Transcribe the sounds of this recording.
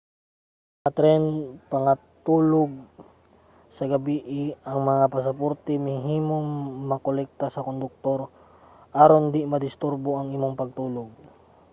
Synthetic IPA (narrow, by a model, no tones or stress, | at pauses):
ʔɐt̪ɾɛnpɐŋɐt̪uːloɡ̚ | sɐɡɐbiʔɪɐŋmɐŋapɐs̬ɐpoɾt̪ɛmɪɦiːmoŋːɐkolɛk̚t̪asɐkond̪ʊk̚t̪o̞ɾ | ʔaɾond̪ɪmɐd̪ɪst̪uɾboʔɐŋʔimoŋpɐɡ̚t̪uːloɡ̚